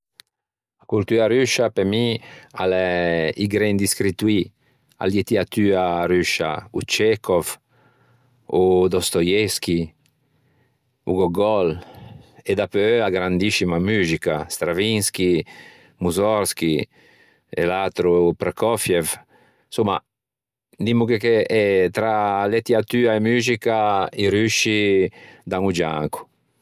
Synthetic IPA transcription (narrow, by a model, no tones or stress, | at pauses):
akult̪yaɾyʃapemialɛiɡɾɛnd̪iskɾit̪wi | a̰ljet̪iat̪yːaɾyʃa̰ṵt͡ʃɛkɔv | ud̪ɔst̪ojɛski | ṵɡɔɡɔl | ed̪apøøaɡɾand̪isimamyːzika̰st̪ɾavinski | muzɔɾsk̟i | ḛlat̪ɾupɾekɔfjɛv | suma | d̪imukekeɛt̪ɾalet̪iat̪yːaemyːzikaiɾyʃid̪aŋud͡ʒa̰ŋku̥